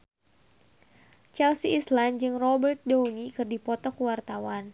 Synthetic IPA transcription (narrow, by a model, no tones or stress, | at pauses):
t͡ʃɛlsiːsland͡ʒɨŋrɔbərt̪̚dɔwnikɨrdipɔt̪ɔkuwart̪awan